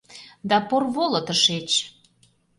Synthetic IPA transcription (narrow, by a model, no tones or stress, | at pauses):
d̪ɑporβolɤ̆t̪əʃet͡ɕ